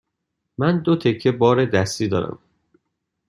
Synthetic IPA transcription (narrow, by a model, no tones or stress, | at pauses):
mænd̪ot̪ʰe̞kʰːe̞bɒːɾed̪æst̪iːd̪ɒːɾæ̰m